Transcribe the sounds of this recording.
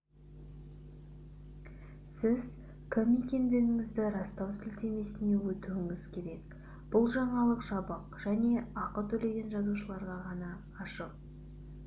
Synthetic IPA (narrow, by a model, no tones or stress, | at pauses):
sɪz | kʰomʲekʲe̞nd̪e̞ɾɪŋɪzd̪ɪɾɑst̪ɑwsɪlt̪e̞me̞sɪne̞wɵt̪ɪwɪŋɪz̥kʲʰe̞ɾe̞k | b̥ʊlˠʒɑɴɑlˠəqʒ̥ɑbəqʒ̥æne̞ɑqət̪ʰɵle̞ɡʲe̞nʒɑzuʃəlˠɑɾʁɑʁɑnɑː | ʃəq̚